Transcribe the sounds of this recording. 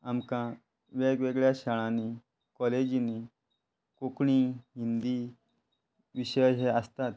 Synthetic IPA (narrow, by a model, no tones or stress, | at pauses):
amkã | ʋeɡʋeɡɭjaɕəɭãni | kɔled͡ʑni | kokɳ̃iɦind̪i | ʋiɕəjɦɛəst̪at̪̚